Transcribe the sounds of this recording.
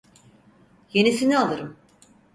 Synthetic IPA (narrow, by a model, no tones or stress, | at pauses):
je̞nisinialˠɯɾɯm